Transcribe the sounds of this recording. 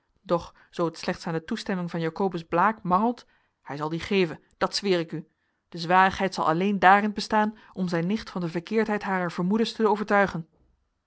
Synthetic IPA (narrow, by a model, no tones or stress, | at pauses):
d̥ɔχ | z̥owətslɛχtsaːndətustɛmɪŋvɑnjaːkowbəzblaːkmɑŋəlˠt | hɛjzɑlˠdiχejvən | d̥ɑtsʋɪːɹɪky | d̥əzʋaːrəχɦɛjtsɑ̰lˠʔɑ̰lejndaːrɪnbəstaːn | ʔɔmzɛjnɪχtfɑndəvəɹkɪːɹtɦɛjtɦaːrəɹv̥əɹmudəɹstəowvəɹtœɥχən